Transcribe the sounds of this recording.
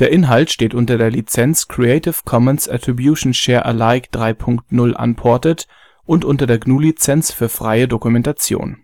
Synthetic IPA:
d̥eːɐʔɪnɦaltʃteːtʔʊntɐdeːɐlit͡sɛnt͡skʁ̥ieɪtɪfkʰɔmənsa̰tʁ̥ibjuːʃn̩ʃɛːɐʔə̰laɪkd̥ʁaɪpʰʊŋktnʊlʔa̰npʰɔɐtət | ʔʊntʔʊntɐdeːɐɡnuːlit͡sɛnt͡sfyːɐfʁ̥aɪədokumɛntat͡sjo̰ːn

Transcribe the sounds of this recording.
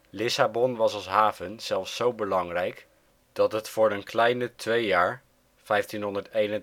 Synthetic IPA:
lɪsabɔnʋɑsɑlˠsɦaːvənz̥ɛlˠfsːowbəlɑŋrɛjk | d̥ɑtɦətfʊːɹənklɛjnətʋejaːɹ | v̥ɛjftinɦɔndəɹtejnə

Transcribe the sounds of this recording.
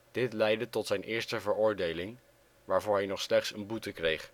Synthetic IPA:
d̥ɪtlɛjdətɔtsɛjnʔɪːɹstəvəɹʊːɹdejlɪŋ | ʋaːɹvʊːɹɦɛjnɔχslɛχtsənbutəkrejχ

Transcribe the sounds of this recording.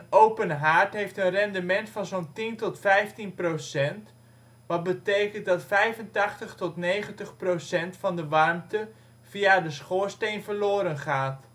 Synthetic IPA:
ənowpənɦaːɹtɦejftənrɛndəmɛntfɑnzowntintɔtfɛjftinprosɛnt | ʋɑt̚bətejkənt̚dɑtfɛjvəntɑχtəχtɔtnejχəntəχprosɛntfɑndəʋɑrmtə | v̥iadəsχoːɹstejnvəɹloːɾənχaːt

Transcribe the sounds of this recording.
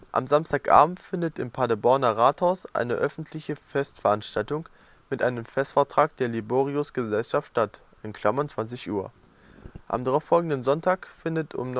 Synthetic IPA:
ʔa̰mzamstaːkʔa̰ːbm̩tfɪndətɪmpʰadabɔɐnɐʁaːthaʊsʔa̰ɪnəʔœfn̩tʰlɪçəfɛstfɛɐʔanʃtaltʊŋ | mɪtʔaɪnəmfɛstfɛɐtʁ̥aːk̚d̥eːɐliboːʁiʊsɡ̥əzɛlʃaftʃtat | ʔɪnkʰl̥amɐnt͡sv̥ant͡sɪçʔuːɐ | ʔa̰mdaʁaʊfɔlɡŋ̩dənzɔntʰaːkfɪndətʰʊ̰mn

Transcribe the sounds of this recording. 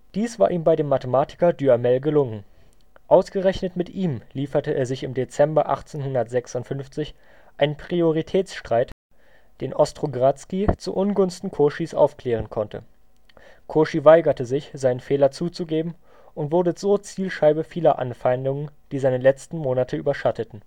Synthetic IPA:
d̥iːsv̥a̰ːɐʔiːmbaɪdeːmːatəmaːtʰɪ̥kɐdyamɛlɡəlʊŋən | ʔaʊsɡ̥əʁɛçnətmɪtʔiːmliːfɐtəʔḛːɐzɪçɪmdet͡sɛmbɐʔa̰χt͡seːnhʊndɐtz̥ɛksʊntfʏnft͡sɪç | ʔaɪnənpʁ̥ioʁitʰɛːt͡sʃtʁ̥aɪt | d̥eːnʔɔstʁ̥oɡʁat͡skit͡sṵʔʊnɡʊnstn̩kʰoʃisʔa̰ʊfkl̥ɛːʁ̞ənkʰɔntʰə̰ | kʰoːʃivaɪɡɐtəzɪçz̥aɪnənfɛːlɐt͡suːt͡suɡeːbm̩ | ʔʊntv̥ʊɐdəz̥oːt͡siːlʃaɪbəfiːlɐʔa̰nfaɪndʊŋənd̥iːzaɪnəlɛt͡stn̩moːnatʰəy̰ːbɐʃatʰətn̩

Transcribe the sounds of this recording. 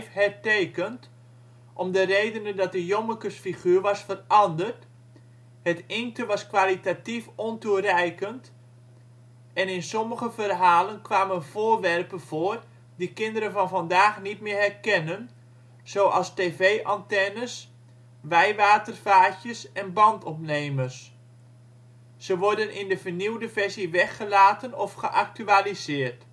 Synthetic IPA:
fhɛrteːkənt | ʔɔmdərejdənəndɔt̚dəjoməkəsfiχyːrʋɑsfərɑndərt | hətɪŋtəʋɑskʋalitatifɔnturɛjkənt | ɛnɪnsɔməɣəvərɦaːlənkʋaːmənv̥oːrʋɛrpəv̥oːr | dikɪndəɾənvɑnvɑndaːxnitmɪːrɦɛrkɛnən | z̥oːʔɑlˠsteːveːʔɑntɛnəs | ʋɛjʋaːtərfaːtjəsɛnbɑntʰɔpneːmərs | səʋɔrdənʔɪndəvərniwdəvɛrziʋɛxəlaːtənɔfχəʔak̚tyalizɪːərt

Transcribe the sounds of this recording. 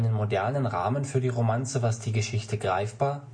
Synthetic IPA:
nənmodɛɐnənʁa̰ːmənfyːɐdiːʁomant͡səvasd̥iːɡəʃɪçtəɡʁa̰ɪfb̥aːɐ

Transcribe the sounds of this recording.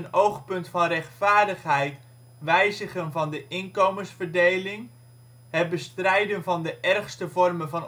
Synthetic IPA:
ənowχpɵntfɑnrɛχtfaːɹdəχɦɛjt | ʋɛjzəχənvɑndəʔɪnkowməsfəɹdejlɪŋ | ɦət̚bəstrɛjdənvɑndəʔɛrχstəvɔrmənvɑn

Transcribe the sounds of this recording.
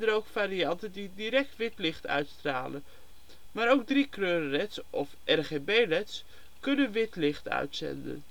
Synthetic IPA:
dəɾowkfaːɾiɑntəndidiɾɛk̚tʋɪtlɪχtœ̰ɥtstra̰ːlən | maːɾowɡ̚drikrøːrərɛtsʔɔfʔɛrχebejrɛts | kɵnənʋɪtlɪχtœ̰ɥtsɛ̰ndə̰n

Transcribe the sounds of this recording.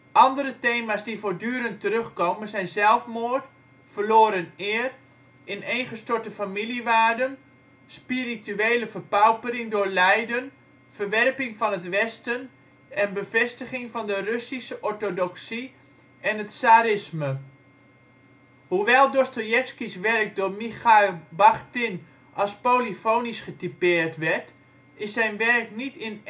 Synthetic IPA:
ʔɑndəɾəteːmasdifoɹdyːəɾəntərɵχkowmənzɛjnzɛlˠfmoət | fərloːɾənɪːər | ʔɪnejnχəstoɹtəfamiliʋaːrdən | spirityeːləfərpawpəɾɪŋdʊːɹlɛjdən | fərʋɛrpɪŋfɔnətʋɛstən | ɛnbəvɛstəχɪŋfɔndərøsisəʔɔɹtodɔksi | ɛnətsaːɾɪsmə | huʋɛlˠdostojɛfskisʋɛrk̚dʊːrmixabaχtɪn | ʔɑlˠspolifownisχətipɪːərtʋɛrt | ɪsɛjnʋɛrknitɪn

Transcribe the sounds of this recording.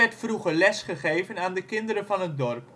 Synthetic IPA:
ɛɹtfruχəɹlɛsχəχejvənaːndəkɪndəɾənvɑnɦət̚dɔrp

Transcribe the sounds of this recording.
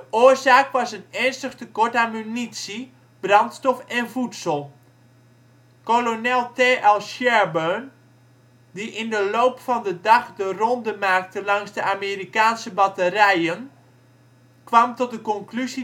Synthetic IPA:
dəʔoːərzaːkʋɑsənɛnstəχtəkɔɹtamynitsi | b̥rɑntstɔfɛnvutsəlˠ | kolonɛlˠteːʔɛlˠʃɛɹbøn | diʔɪndəlowpfɑndədɑχdərɔndəmaːk̚təlɑŋzdəʔaːmeːrikaːnsəbɑtərɛjən | kʋɑmtɔt̚dəkɔŋklyzi

